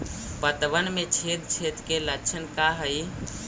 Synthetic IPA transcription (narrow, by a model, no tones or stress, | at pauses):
pət̪bənmet͡ʃʰet̪t͡ʃʰet̪keləːt͡ʃʰənkaɦəj